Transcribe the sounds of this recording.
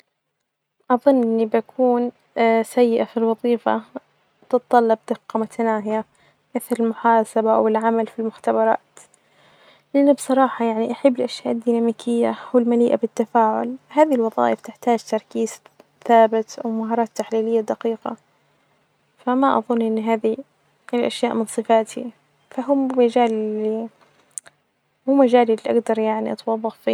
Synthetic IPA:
ʔɑðˤʊnːʔɪnːibakʰuːn | sajːɪʔafilwɑðˤiːfa̰ | t̪ɨt̪t̪ˤːɑlːɑb̚d̪ɪqːɑmʊt̪ʰanaːɦɪja | ʔɪθɑɾˤɪlmʊħaːsabaʔa̰wɪlʕamalfilmʊxt̪abɑɾˤɑ̰ːt̪ | lʔanːibsˤɑɾˤɑːħɑjaʕniʔaħɪbːɪlʔaʃjaːʔd̪ːiːnaːmiːkʰɪjːawɪlmaliːʔabɪt̪ːafaːʕʊ̰lɦaːðilwɑðˤɑ̰ːʔɪft̪ɪħt̪aːd͡ʒt̪ɑɾˤkiːz | θaːbɪt̪awmaɦɑːɾˤɑːt̪ːaħliːlɪjːad̪aqiːqa̰ | famaʔɑ̰ðˤʊnːʔɪnːɦaːði | lʔaʃjaːʔmɪnsˤɨfaːt̪ʰi | faɦʊmmad͡ʒaːlɪli | hʊːmːad͡ʒaːlɪlːiʔa̰ɡd̪ɑɾˤjaʕniʔɑt̪wɑðˤːɑɣfi

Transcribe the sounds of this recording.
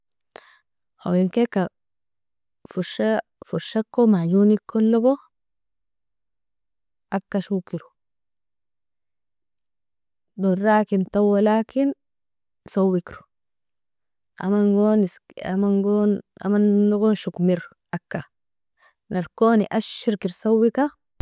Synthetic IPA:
a̰wliŋkekːa | fuʃafuʃːakːomaɟunikolːoɡo | ʔakːaʃukiɾu | dorɾaːkint̪awːalaːkin | sawːikɾu̥ | ʔa̰manɡonisa̰manɡona̰manloɡonʃukmiɾ | ʔakːa | naɾkoːnḭʔaʃːiɾkiɾsawːika

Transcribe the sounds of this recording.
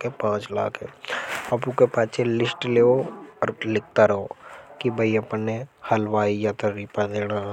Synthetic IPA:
kepãːt͡ʃlaːkɦɛ̃ɐpukepaːt͡ʃʰelɪsʈleːoɔɾlɪk̚t̪aɾɐɦokibʱəiɐpənehɐlʋaːijat̪əɾipad̪eːɽ̃aː

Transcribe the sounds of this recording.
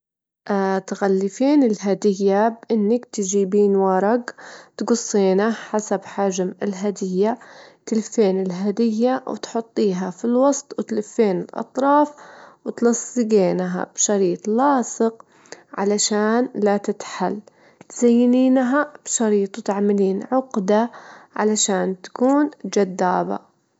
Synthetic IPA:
ʔat̪ɣalːɪfeːnɪlɦad̪ɪjːabʔɪnːakt̪d͡ʒiːbiːnwɑɾˤɑɡt̪ɡʊsˤːiːnaħasabħaːʒmɪlɦad̪ɪjːat̪ɪlfeːnɪlɦad̪ɪjːaw̰t̪ħʊt̪ˤːiːɦafilwɑsˤt̪ˤwɪt̪lɪfːeːnɪlʔɑ̰t̪ˤɾˤɑːfwɪt̪lɑsˤːɨɡeːnɦa̰b̥ʃɑɾiːt̪ˤlɑːsˤɨq | ʕa̰laʃaːnlat̪ɪt̪ħal | t̪z̥ajːniːnɦab̥ʃɑɾiːt̪ˤwt̪aʕmaliːnʕʊqd̪aʕa̰laʃaːnt̪ḁkuːnd͡ʒad̪ːaːba̰

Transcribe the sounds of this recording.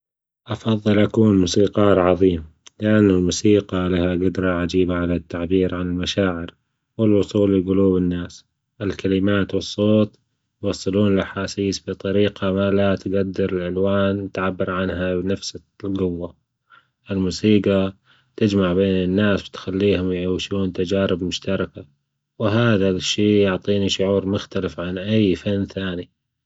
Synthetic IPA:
ʔɑfɑðˤːɨlʔakuːnmuːsiːqɑːɾʕɑðˤiːmlɪʔanːɪlmuːsiːɡɑlahaɡʊd̪ɾˤɑʕad͡ʒiːbaʕalat̪ːaʕbiːɾʕanɪlmaʃaːʕɪɾ | wɪlwʊsˤuːlɪɡʊluːbɪnːaːs | ʔɪlkalɪmaːt̪wɨsˤːoːt̪ | jwɑsˤːɨluːnɪlʔaħaːsiːsbit̪ˤɑɾiːqamalat̪ɡad̪ːɪɾɪlʕɪlwaːnt̪ʕabːɪɾʕanɦabnafsa | lɡʊwːa | ʔɪlmuːsiːɡa | t̪ɪd͡ʒmaʕbeːnɪnːaːsbɪt̪xalːiːhʊmjʕaːʃuːnt̪ad͡ʒaːɾɪbmʊʃt̪ɑɾˤɑka | wɦaːðaʃːiːjʊʕt̪ˤiːniʃʊʕuːɾmʊxt̪alɪfʕanʔajːfanːθaːni

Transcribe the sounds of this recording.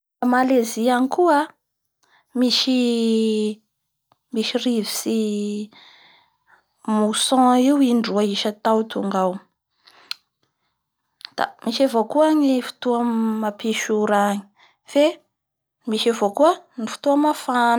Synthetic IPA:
malezianikuə | miʃi | miʃirivi̥si | musɔ̃iwiɳɖ͡ʐuaiʃət̪awt̪uŋɡaw | d̪̥a̰miʃavokuaɲifi̥t̪uamapiʃuɾaɲi̥ | fe | miʃavokuənifi̥t̪uamafan

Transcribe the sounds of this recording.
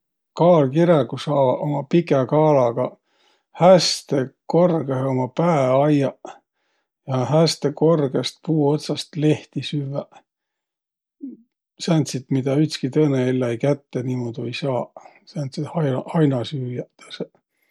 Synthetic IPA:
kɑːlkiɾeɡ̥usɑːvɑʔomɑpikekɑːlɑɡ̥ɑ | hæst̪eko̞rɡ̥ehomɑpæeɑjɑ | jɑɦæst̪eko̞rɡest̪̚puːo̞t̪sɑst̪le̞ht̪isyvæ | sænt̪sit̪mid̪ɑyt̪skit̪ɤːneelːɑejkæt̪ːeniːmod̪ojsɑːsænt̪sit̪hɑjɑɑjnɑsyːjæt̪ɑ̥se

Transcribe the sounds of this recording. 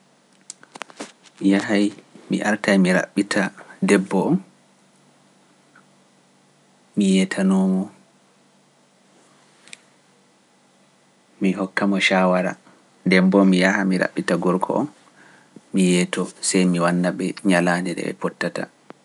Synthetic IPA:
mijahajmiʔaɾtajmiɾa̰ɓːitʰadɛbːɔɔn | mijɛtʰanɔːmɔ | miɦɔkːamɔʃawaɾa̰ | dɛbbɔmijahamiɾa̰ɓːitaɡɔɾkʰɔ̰ʔɔn | mijɛːtɔsɛjmiwanːaɓɛɲalandɛɗɛ̰ɛ̰pɔtːata̰

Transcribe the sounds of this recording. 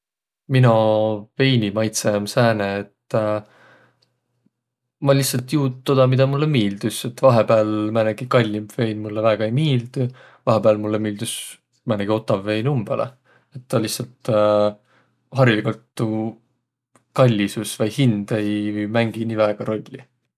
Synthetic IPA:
minove̞jnimɑjt̪semsæːneet̪ː | mɑlʲːihsɑlt̪juːd̪̚t̪ːod̪̥ɑmid̪̥ɑmulːemiːld̪̥use̞t̪ːvɑɦe̞bæːlmæneɡ̥ikɑlʲːimbve̞jnmulːevæːɡ̥ɑejmiːld̪̥u | vɑɦebæːlmulːemiːld̪us | mæneɡ̥io̞t̪ːˑɑvːe̞jnumb̥ḛlḛ | et̪ːɑlihsɑlt̪ | ɦɑrilikult̪ːu | kɑlʲːisusvɑjhind̪̥e̞jmæŋɡ̥iniːvæeɡ̥ɑɾo̞lʲːi

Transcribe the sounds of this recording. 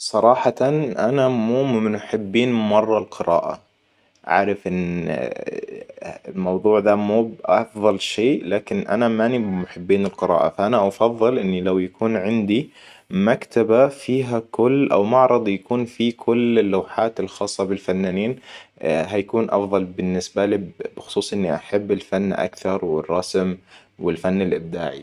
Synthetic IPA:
sˤɑɾˤɑːħɑt̪anʔanamuːmnħɪbːiːnmɑrˤːɑlqɨɾa̰ːʔa̰ | ʕa̰ːɾɪfʔɪn | ɪlmɑwðˤuːʕðaːmuːbʔɑfðˤɑlʃeːlaːkɪnʔa̰namanimʊħɪbːiːnɪlqɨɾɑ̰ːʔa̰faʔanaʔɑfɑðˤːɨlʔɪnːilawjakuːnʕɪnd̪imakt̪abafiːɦakʊlːʔa̰wmɑʕɾˤɑd̪ˤjakuːnfikʰʊlːɪlːawħaːt̪ɪlxɑːsˤːɑbɪlfanːaːniːn | ɦajakuːnʔɑ̰fðˤɑlbɪnːɪsbalib̥ɪxʊ̥sˤuːsˤʔɪnːiʔaħabːɪlfanːʔa̰kθɑɾˤwɪ̰rˤːɑsm | wɪlfanːɪlʔɪb̚d̪a̰ːʕḭ

